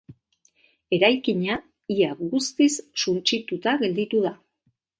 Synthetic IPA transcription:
e̞ɾajkiɲa | iaɡust̪isːunt͡ʃit̪ut̪aɣe̞ld̪it̪uða

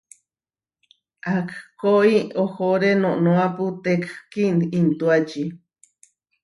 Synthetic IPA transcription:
akkoioxoɾenõʔnõaput̪ekkinint̪uat͡ʃi

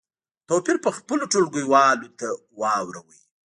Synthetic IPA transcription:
t̪opiɾpəxpəloʈolɡəjwɑlot̪a | wɑwɾawəj

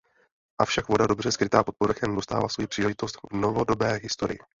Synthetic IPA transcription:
ʔafʃakvo̞dado̞br̝ɛskɾɪt̪aːpo̞t̪̚poɾaxɛmdo̞st̪a̰ːvlasvo̞jipr̥iːlɛʒɪt̪o̞st̪vnovo̞do̞bɛːɦɪst̪o̞ɾɪ̰jɪ

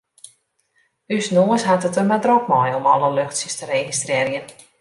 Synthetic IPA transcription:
ysnoəsɦatətəmadrɔk̚mɔjɔmɔləløxtsəstərexistrɪːɾjən

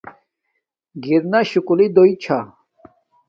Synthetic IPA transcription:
ɡiɾnaɕukulid̪ojt͡ɕʰa

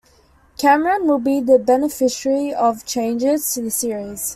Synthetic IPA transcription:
kʰæməɹə̃nwɪlˠbiðəbɛnəfɪʃəɹiɔv̥t͡ʃʰẽɪ̃nd͡ʒɪz̥tʰuðəsiɹiz̥

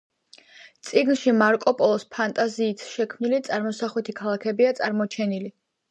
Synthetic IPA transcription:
t̪sʼiɡnʃimaɾkʼɔpʼɔlˠɔspʰant̪ʼaziːt̪ʰʃɛkʰmnilit̪sʼaɾmɔsaχwɛt̪ʰikʰalˠakʰɛbiat̪sʼaɾmɔt͡ʃʰɛnili

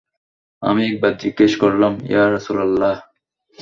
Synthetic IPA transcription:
ɐ̰meːk̚bɐd̪ikeɕkoɾlɐmjaːɾɐsuːlɐlːaːh

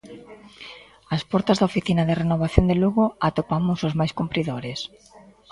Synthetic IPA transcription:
aspɔɾt̪azðɐofiθinaðɪrenoβ̞aθjond̪eluɣoat̪opamʊsʊzmajskumpɾiðoɾes

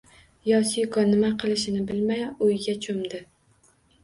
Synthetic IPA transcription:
jɒsijkʰɒnɪmaqʰɨlˠɪʃɪnɪbɪlmajʊjɡʲat͡ʃʰomd̪ɪ

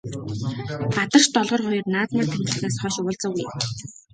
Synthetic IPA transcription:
at̪ə̆rʃt̪ɔɮʁɞ̆rχɔjɞ̆rnaːt̪naːt̪ʰæmt̪ɘ̆ɮneːsχœːʃʊːɮt͡sɔ̆ːɣuj

